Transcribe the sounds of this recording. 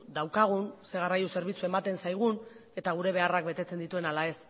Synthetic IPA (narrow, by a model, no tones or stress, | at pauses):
d̪awkaɣ̞unse̞ɣarajuse̞ɾβ̞it͡sue̞mat̪e̞nsajɣ̞une̞t̪aɣ̞uɾe̞β̞e̞arak̚be̞t̪e̞t͡se̞nd̪it̪ue̞nalae̞s